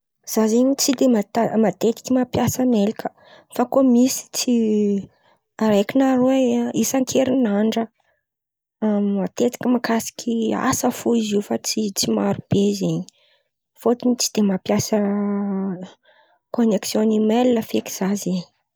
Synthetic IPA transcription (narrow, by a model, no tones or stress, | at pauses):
z̥azeɲit͡sid̪emat̪amat̪et̪i̥kʲimapjasamelikʰə̥ | fakomisi̥t͡si | aɾajkinaɾeisaŋkʰeɾinaɳɖ͡ʐə | ammat̪et̪i̥kʲimakʰasi̥kʲʰia̰səfoiziufat͡sit͡simaɾub̥ezeɲi | fot̪init͡si̥d̪̥emapjasə | koneksjonimelinəfeki̥z̥azeɲ